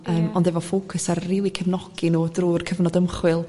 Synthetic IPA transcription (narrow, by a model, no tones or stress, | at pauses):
əːmɔndɛvɔfoːkʰʊsarriːlˠikʰəvnɔɡ̥inuːdruːrkʰəvnɔdəmχwɪlˠ